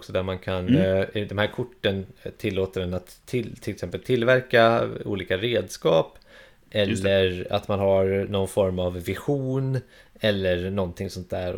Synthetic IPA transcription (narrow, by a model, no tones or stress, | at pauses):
ksɔd̪æɾmankʰand̪ɛmhæːɾkʰʊʈːənt̪ʰɪlːoːt̪əɖɛnat̪ʰːɪt̪ʰɪlɛksɛmpəlt̪ʰɪlvæɾkaṵːliːkaɾeːd̪skɑːp | ʔɛlːəɾa̰t̪manɦaɾnɔnfɔɾmavːɪɧuːn | ɛlːəɾnɔnt̪ʰɪŋsɔnt̪̚d̪æːɾ